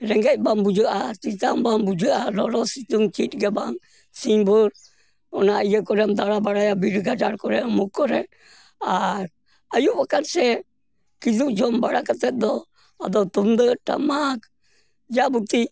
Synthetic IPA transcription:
ɾɛŋɡɛc̚bambud͡ʒəʔat͡ʃit̪ambambud͡ʒəʔalɔlɔsit̪uŋt͡ʃit̪̚ɡɛbaŋ | siɲbuɾ | ɔnaijəkɔɾɛmd̪aɾabaɽajabiɾɡad͡ʒaɾkɔɾɛmukːɔɾɛ | aɾ | ajuʔbakansɛ | kid͡ʒuʔd͡ʒɔmbaɽakət̪ɛt̪̚d̪ɔ | ad̪ɔt̪umd̪əʈa̰mak | d͡ʒabut̪i

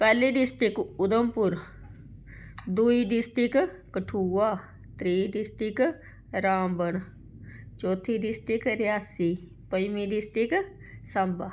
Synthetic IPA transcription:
pɛːliɖɪsʈɪkʊd̪əmpʊɾ | d̪uːiɖɪsʈɪk | kəʈʰuaː | t̪ɾiːɖɪsʈɪk | ɾaːmbən | t͡ʃɔːt̪ʰiɖɪsʈɪkɾɪjaːsi | pəjmiɖɪsʈɪk | səmba

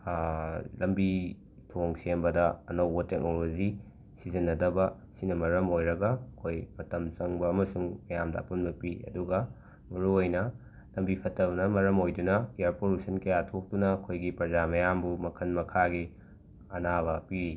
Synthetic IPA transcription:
lɐmbi | tʰoŋsembɐdɐɐ̰nɐwbɐtek̚nolozi | sizinːɐdɐbɐ | sinɐmɐɾɐmojɾɐɡɐːkʰojmɐtɐmt͡ʃɐŋbɐːmɐsuŋmɐjamdɐ̰ːpunbɐpiɐ̰duɡɐ | mɐɾuojnɐ | lɐmbipʰɐtɐbnɐmɐɾɐmojdunɐijaɾpoɾusʰɐnkɐjatʰok̚dunɐːkʰojɡipɐɾzamɐjambumɐkʰɐnmɐkʰaɡi | ɐnaβɐpiɾi

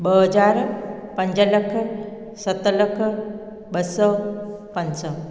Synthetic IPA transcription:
bəɦəd͡ʒaːɾpəɲd͡ʒələkʰ | sət̪ləkʰ | bəsəpənsə

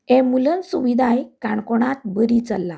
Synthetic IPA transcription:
ɛmulənsuʋid̪ʱajkaɳkɔɽ̃at̪̚bəɾit͡səlːa

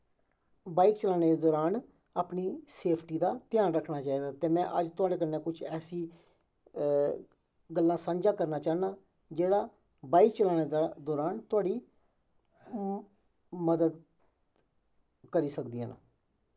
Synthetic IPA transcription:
baːikt͡ʃəlaːneːd̪eːd̪ɔːɾaːn | aːpniːseːpʰʈiːd̪aːt̪ɪjaːnɾəkʰnaːt͡ʃaːiːd̪aːt̪eːmɛ̃ːʔəd͡ʒt̪ʊaːɽeːk̬ənːẽːkʊt͡ʃʰɛːsiː | ɡəlːãːsə̃nd͡ʒaːkəɾnaːt͡ʃaːnaː | d͡ʒeːɽaː | baːikt͡ʃəlaːneːd̪ad̪ɔːɾaːnt̪ʊaːɽiː | məd̪əd̪ | kəɾiːsəkd̪iːã̰ːna̰ː

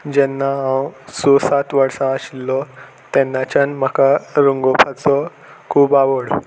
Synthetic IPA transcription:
d͡ʑɛnːaɦãwsosat̪ʋəɾsãəɕilːɔ | t̪ɛnːat͡ɕanm̤əkaɾuŋɡopʰat͡sɔ | kʰuːbaʋəɽ

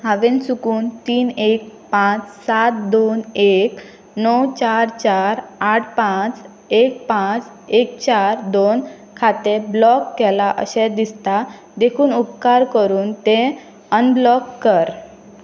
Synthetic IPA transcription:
ɦãʋensukuːnt̪iːnek̚pãt͡ssat̪̚d̪onek | nɔwt͡ɕaɾt͡ɕaɾaʈʰpãt͡s | ek̚pãt͡s | ek̚t͡ɕaɾd̪on | kʰat̪eblɔkːɛlaʔə̰ɕɛd̪ist̪a | d̪ekʰuːnupkaɾkəɾuːnt̪ẽ | ənblɔkːəɾ

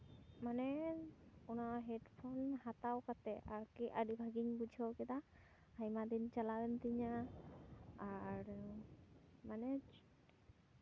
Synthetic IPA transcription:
manɛ | ɔnaɦɛdpʰɔnhat̪awkat̪ɛʔaɹkiʔadibʱaɡiɲbud͡ʒʱɔkɛt̪a | ajmad̪int͡ʃalaɡɯnt̪iɲaː | ɹu | manɛ

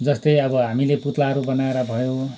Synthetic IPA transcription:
d͡zʌst̪ʌjʌbʌɦamileput̪laɦʌɾubʌnaeɾʌbʱʌjo

